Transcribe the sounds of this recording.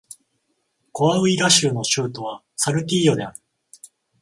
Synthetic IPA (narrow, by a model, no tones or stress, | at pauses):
koβaɯ̟iɾaɕɨːno̞ɕɨːt̪o̞β̞a | saɾɯ̟t̪ʲiːjo̞d̪e̞aɾɯ̟